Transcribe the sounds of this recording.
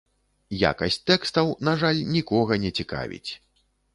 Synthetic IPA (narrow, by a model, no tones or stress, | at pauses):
ja̰kɐsʲt͡sʲt̪ɛkst̪ɐwnaʐalʲnʲikɔɣɐnʲɛt͡sʲika̰vʲḭt͡sʲ